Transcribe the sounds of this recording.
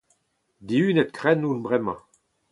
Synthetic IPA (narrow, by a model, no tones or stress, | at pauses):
d̪iynɛt̪̚kʁɛnːunbʁɛmɑ̰̃